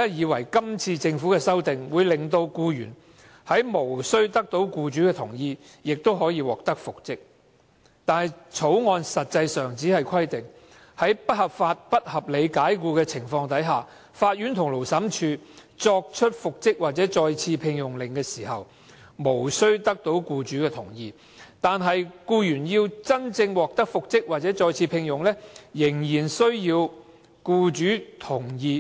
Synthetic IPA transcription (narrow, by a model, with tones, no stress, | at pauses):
ɐ˥jiː˨˧wɐ˨˩jkɐ˥mt͡sʰiː˧t͡sɪ˧ŋfuː˨˥kɛː˧sɐ˥wt̪ɪ˨ŋwuː˨˧jlɪ˨ŋt̪o˧wkuː˧jyː˨˩n | hɐ˨˥jmo˨˩wsɵ˥ɥt̪ɐ˥k̚t̪o˨˥wkuː˧t͡ʃyː˨˥kɛː˧t̪ʰʊ˨˩ŋjiː˧ | jɪ˨k̚t̪o˥whɔː˨˥jiː˨˧wɔː˨k̚t̪ɐ˥k̚fʊ˨k̚t͡sɪ˥k̚ | t̪aː˨nhɐ˨jt͡sʰo˨˥wŋɔː˧nsɐ˨t̚t͡sɐ˧jsœː˨˩ŋt͡siː˨˥hɐ˨jkʰɐ˥jt̪ɪ˨ŋ | hɐ˨˥jpɐ˥t̚hɐ˨pfaː˧t̚pɐ˥t̚hɐ˨p̚le˨˧jkaː˨˥jkuː˧kɛː˧t͡sʰɪ˨˩ŋfɔː˧ŋt̪ɐ˨˥jɦaː˨ | faː˧t̚jyː˨˥nt̪ʰʊ˨˩ŋlo˨˩wsɐ˨˥mt͡ʃʰyː˨˧ | t͡sɔː˧k̚t͡ʃʰɵ˥t̚fʊ˨k̚t͡sɪ˥k̚waː˨˩t̚t͡sɛː˨˥t͡sɔː˧jt͡sʰiː˧pʰɪ˧ŋjʊ˨˩ŋlɪ˨˩ŋkɛː˧siː˨˩hɐ˨w | mo˨˩wsɵ˥ɥt̪ɐ˥k̚t̪o˨˥wkuː˧t͡ʃyː˨˥kɛː˧t̪ʰʊ˨˩ŋjiː˧ | t̪aː˨nɦɐ˨jkuː˧jyː˨˩njiː˧wt͡sɐ˥nt͡sɪ˧ŋwɔː˨k̚t̪ɐ˥k̚fʊ˨k̚t͡sɪ˥k̚waː˨t̚t͡sɛː˨˥t͡sɔː˧jt͡sʰiː˧pʰɪ˧ŋjʊ˨˩ŋlɛ˥jɪ˨˩ŋjiː˨˩nsɵ˥ɥjiː˧w | kuː˧t͡ʃyː˨˥t̪ʰʊ˨˩ŋjiː˧